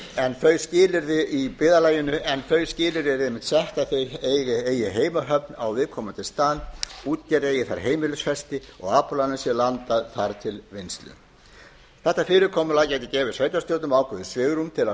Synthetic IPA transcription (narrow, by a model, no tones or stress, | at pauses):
ɛnθœːɥscɪːlɪɾðɪʔipɪːðalaːjɪnʏʔɛnθœɥscɪːlɪɾðɪɛɾejmɪht̪sɛht̪aθejejɣɪeːjɪɦeːjmaɦœp̚nawvɪðkʰɔːmant̪ʰɪlst̪aːnuːt̪̚cɛɾeːjɪθaɾ̥ɦeːjmɪlʏsfɛst̪ɪɔ̰ɣaːpɔlanʏsjɛlant̪aðθaɾt̪ʰɪlvɪnst̪lʏ̰ | θɛht̪ːafɪːɾɪkʰɔːmʏlacɛːjt̪ɪcɛːvɪ̥sveːjt̪ast̪jowt̪ʏmaːwkʰʏðɪsvɪːɣɾumt̪ʰɪla